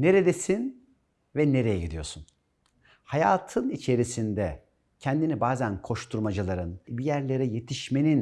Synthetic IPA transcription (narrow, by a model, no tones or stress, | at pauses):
ne̞ɾe̞d̪esin | vɛne̞ɾe̞jɛɟid̪ijo̞̰sun | hajaːt̪ʰɯnit͡ʃʰe̞ɾisind̪ɛ | cʰɛnd̪inibaːzænkʰo̞ʃt̪ʰuɾmad͡ʒɯlˠaɾɯnbijæɾlʲe̞ɾɛje̞t̪ʰiʃme̞nin